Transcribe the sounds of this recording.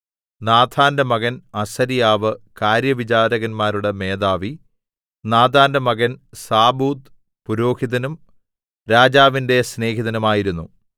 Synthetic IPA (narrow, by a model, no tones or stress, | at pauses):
naːd̪ʱʰaːndɐmɐɣɐnɐsɐɾijaːʋɨkaːɾjɐʋit͡ɕaːɾɐɣɐnmaːɾuɽeme̞ːd̪aːʋi | naːd̪ʱaːndɐmɐɣɐnsaːbuːd̪ | puɾo̞ːhiðɐnum | ɾaːd͡ʑaːʋinde̞sne̞ːɦiðɐnumaːjiɾunːu